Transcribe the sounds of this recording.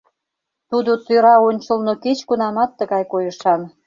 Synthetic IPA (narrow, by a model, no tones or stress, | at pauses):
t̪ud̪ot̪øɾɑonʲt͡ɕə̆lnoket͡ɕkunɑmɑt̪ːə̆ɣɑjkojə̆ʃɑn